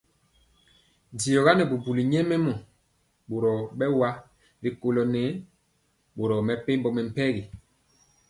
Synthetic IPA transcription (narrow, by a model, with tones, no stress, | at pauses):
di˨jɔ˨ɣa˦nɛ˨bu˨bu˨li˨ɲɛ˦mɛ˦mɔ˨ | ɓo˨ɾɔ˨ɓɛ˦wa˦ | ɾi˨ko˨lɔ˨nɛ˨˦ | ɓo˨ɾɔ˨mɛ˨pe˦mbɔ˨mɛ˨m̩˨pɛ˦ɣi˨